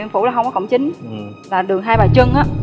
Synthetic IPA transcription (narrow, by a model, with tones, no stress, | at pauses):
fṵ˧˥laː˨˩ɦə˧ŋ͡mkɔ˨˧kə̰˧˩wŋ͡mt͡ɕï˨˦ŋ̟laː˨˩ɗɨ˨˩əŋɦaː˧jɓaː˨˩jt͡ɕə˧ŋʔaː˨˥